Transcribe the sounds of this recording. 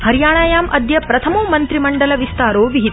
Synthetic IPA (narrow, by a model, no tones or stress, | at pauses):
hɐɾjaːɳ̃aːjaːmʔɐd̪jɐpɾɐt̪ʰɐmoːmɐnt̪ɾimɐɳɖɐlɐʋist̪aːɾoːʋiɦit̪